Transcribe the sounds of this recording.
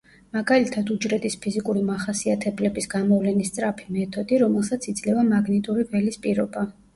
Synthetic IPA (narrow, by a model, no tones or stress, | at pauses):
maɡalit̪ʰad̪ud͡ʒɾɛt̪ʼispʰizikʼuɾimaχasiat̪ʰɛblɛbisɡamɔvlɛnist̪sʼɾapʰi̥mɛt̪ʰɔd̪iɾɔmɛlˠsat̪sʰid̪zlɛvamaɡnit̪ʼuɾivɛlispʼiɾɔba